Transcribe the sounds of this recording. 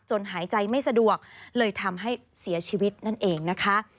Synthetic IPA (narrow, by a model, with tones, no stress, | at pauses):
t͡ɕo˧nɦaː˩˦jt͡ɕa˧jma˥˩jsa˧du˨˩ək̚lɤː˧jt̪ʰa˧mɦa˥˩j | si˨˩˦ɐt͡ɕʰiː˧wi˦˥t̪̚na˥˩nʔeː˨˧ŋna˦˥kʰa˦˥ʔ